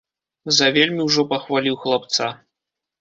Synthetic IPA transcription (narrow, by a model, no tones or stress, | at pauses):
zɐvʲelʲmʲiwʐɔpɐxvalʲiwxlˠap̚t̪sa